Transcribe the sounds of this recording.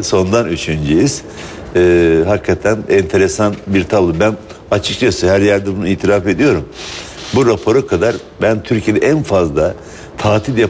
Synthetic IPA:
so̞nd̪anyt͡ʃʰynd͡ʒejiz̥ː | ɦakʰːat̪ʰænɛnt̪ʰe̞ɾesanbiɾt̪ʰablˠɯbæn | at͡ʃʰɯk̚t͡ʃʰasɯhæɾjæɾd̪ɛbunuiːt̪ʰiɾaːfe̞d̪ijo̞ɾumbuɾapʰo̞ɾɯkʰad̪aɾ | bænt̪ʰyɾcʰijed̪ɛʔænfazlˠa | t̪ʰaːt̪ʰilja

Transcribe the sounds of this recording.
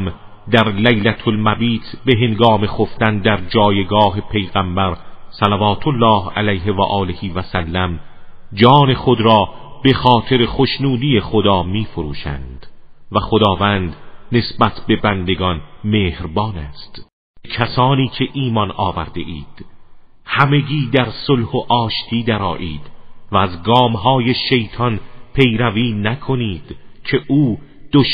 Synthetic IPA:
m | d̪æɾlæjlæt̪ʰolmæbiːt̪ʰbe̞ɦeŋɡɒːme̞xoft̪ænd̪æɾd͡ʒɒːjeɡɒːɦe̞pʰe̞jɣæmbæɾsælævɒːt̪ʰolːɒːhæ̰læjɦevæ̰ʔɒːlehiːvæsælːæm | d͡ʒɒːne̞xod̪ɾɒːb̥e̞xɒːt̪ʰe̞ɾeχoʃnuːd̪iːeχod̪ɒːmiːfoɾṵːʃæ̰nd̪̥væxod̪ɒːvænd̪ne̞sbæt̪ʰbe̞bænd̪e̞ɡɒnmeːhɾbɒːnæːst̪ | becʰæsɒːniːkʰe̞ʔiːmɒnɒ̰ːvæ̰ɾd̪e̞̰ʔiːd̪̥ | hæme̞ɡiːd̪æɾsolhoʔɒːʃt̪ʰiːd̪æɾɒ̰ːʔiːd̪̥væːzɡɒːmhɒːje̞ʃe̞jt̪ʰɒnpʰe̞jɾæviːnækʰo̞niːd̪̥cʰe̞ʔuːd̪̥oʃ

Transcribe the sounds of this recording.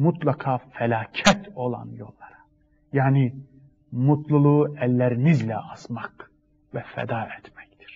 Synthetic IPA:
mut̪lˠɑkʰɑfælʲɑːcʰæt̪ʰo̞lˠɑ̰njo̞lˠːɑɾɑ̥ | jaːni | mut̪ʰlˠulˠuælːæɾinizlɛɑsmɑk | vɛfɛ̰d̪ɑːɛt̪mæct̪i̥ɾ̥

